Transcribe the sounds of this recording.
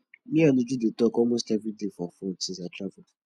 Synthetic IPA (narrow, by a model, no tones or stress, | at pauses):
mĩanʊ̃d͡ʒudetɔkɔmostavidefɔfʊ̃tĩzatɾavu